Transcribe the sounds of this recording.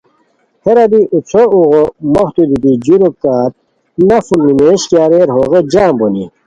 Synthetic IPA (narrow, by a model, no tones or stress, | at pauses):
heɾɐd̪iʔut͡sʰouɣomoht̪ud̪it̪id͡ʑuɾokaːt̪̚ | nɐfulnimeːɕkjaːɾeɾɦoːɣed͡ʑaːmboni